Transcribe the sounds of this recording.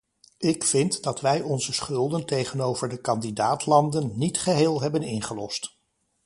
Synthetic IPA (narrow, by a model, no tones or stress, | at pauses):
ɪkfɪntdɑtʋɛjɔnzəsχɵlˠdəntejχənowvəɹdəkɑndidaːtlɑndənːitχəɦɪːlˠɦɛbənɪnχəlɔ̰st